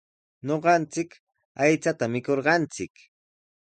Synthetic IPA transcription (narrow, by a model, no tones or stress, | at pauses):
ɲoɢɑnt͡sɪk | ajt͡sat̪amɪkoɾɢɑnt͡sɪk